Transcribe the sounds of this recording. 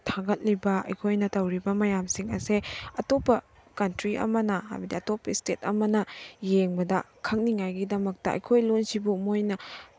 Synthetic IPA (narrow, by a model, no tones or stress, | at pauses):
tʰaɡɐt̚libɐɐ̰jkʰojnɐtɐwɾibɐmɐjamsiŋɐ̰seɐtopːɐ | kɐntɾiʔɐ̰mɐnɐɦa̰jbɐdiɐtopːɐistet̚ɐmɐnɐjeŋbɐdɐ | kʰɐŋ̚niŋajɡidɐmɐk̚tɐʔɐ̰jkʰojlunsibumojnɐ